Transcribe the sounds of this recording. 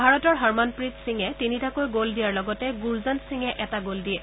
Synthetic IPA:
bʱaɹɔtɔɹɦaɹmanpɹitsiŋɛtinitakojɡoldijaɹlɔɡɔtɛɡuɹzantsiŋɛʔɛtaɡoldiɛ

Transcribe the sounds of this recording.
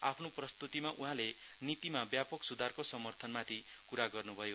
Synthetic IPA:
a̰pʰnoprʌst̪ut̪imaʔuɦãle | nit̪imabjapʌksud̪ʱarkosʌmʌrt̪ʰʌnmat̪ʰi | kuɾaɡʌrnubʱʌjo

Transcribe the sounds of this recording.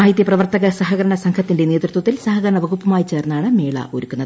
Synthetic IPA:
aːjit̪jɐprɐʋɐrt̪ɐɣɐsɐɦɐɣɐɾɐɳɐsɐŋkʰɐt̪ːindeneːt̪rut̪wɐt̪ːilsɐɦɐɣɐɾɐɳɐʋɐɣupːɐmaːjit͡ɕe̞ːrnːaːɳɨme̞ːɭɐ̰ʔo̰ɾukːunːɐð

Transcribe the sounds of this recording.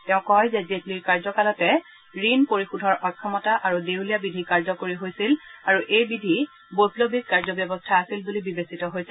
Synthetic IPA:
tɛʊ̃kɔjzɛzetliɹkaɹzɔkalɔtɛ | ɹinpoɹixudʱɔɹʔɔkʰːɔmɔtaʔaɹudeulijabidʱikaɹzɔkoɹiɦojsilaɹuʔejbidʱi | bozlobʱik̚kaɹzɔbjɔbɔstʰaːsilbulibibesitɔɦojsɛ

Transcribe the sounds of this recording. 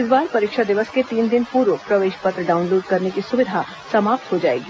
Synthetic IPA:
ɪsbaːɾpɐɾɪkʃʰad̪ɪʋəsket̪iːnd̪ɪnpuːɾʋopɾɐʋeːʃpɐt̪ɾəɖaːʊ̃nloːɖkɐɾnekisʊʋɪd̪ʱa | sɐmaːp̚t̪ɦod͡ʒa̰ːḛːɡi

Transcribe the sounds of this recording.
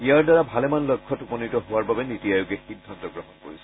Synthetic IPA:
ijaɹdaɹabʱalɛmanlɔkʰːɔtukɔnitɔɦʊwaɹbabɛnitiajʊkɛxidʱːantɔɡɹɔɦɔnko̰ɹisɛ

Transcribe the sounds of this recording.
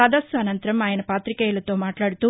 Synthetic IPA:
aːd̪ɐsuɐnɐnt̪ɐɾɐmaːjɐnɐpaːt̪ɾikɐjɐlɐt̪o̞ːmaːʈlaːɽut̪u

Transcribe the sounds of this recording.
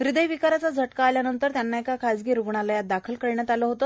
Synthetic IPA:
ɾid̪əjʋikaɾat͡sad͡zʱəʈkaːljanənt̪əɾt̪janːaekakʰad͡zɡiːɾuɡɳalajad̪akʰəlkəɭɳjat̪aləɦot̪o

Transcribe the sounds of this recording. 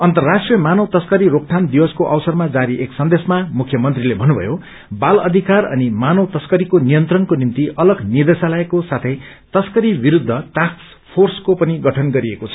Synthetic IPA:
ʌnt̪ʌrːasʈrijʌmanʌwt̪ʌskʌɾiɾok̚ʈʰand̪iwʌskoʔʌwsʌrmad͡zaɾiʔeksʌnd̪esmamukʰjʌmʌnt̪rilebʱʌnːubʱʌ̰jo | balʌd̪ʱikarʌ̰nimanʌwt̪ʌskʌɾikonijʌnt̪rʌnkonimt̪iʔʌlʌɡnid̪esalaekosat̪ʰʌj | t̪ʌskʌɾibiɾud̪ʱːʌʈaks | pʰorskopʌniɡʌʈʰʌnɡʌɾiekot͡sʰʌ̥

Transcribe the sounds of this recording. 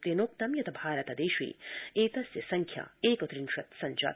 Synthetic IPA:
t̪enoːk̚t̪ɐmjɐt̪ʰɐbʱaːɾɐt̪ɐd̪eːʃḭːeːt̪ɐsjɐsɐŋkʰjɐ̰eːkɐt̪ɾinʃɐt̪sɐnt͡ʃɐ̰ː

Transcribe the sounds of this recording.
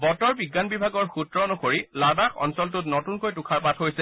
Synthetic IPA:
bɔtɔɹbiɡːanbibʱaɡɔɹxutɹɔnɔkoɹilabaxɔ̰nsɔlt̬ʊtnotunkojtukʰaɹpatʰɦojsɛ

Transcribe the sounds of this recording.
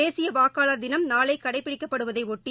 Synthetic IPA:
eːsɪjɐʋaːkaːlɐɾd̪ɪnɐmnaːlɐɪkːɐɽɐɪpːɪɽɪkːɐpːɐɽɯʋɐðɐɪɔʈːi

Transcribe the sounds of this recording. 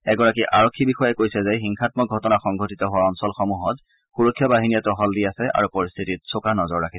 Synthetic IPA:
ɛɡɔɹakiʔaɹɔkʰːibixɔjɛkojsɛzɛxiŋxʰatmɔɡʱɔtɔnaxɔŋɡʱotitɔɦʊwaɔnsɔlxɔmuɦɔt | xuɹɔkʰːjɔbaɦinijatɔɦɔldiasɛʔa̰ɹupɔɹist̪ʰitit̚sokanɔzɔɹɹakʰi

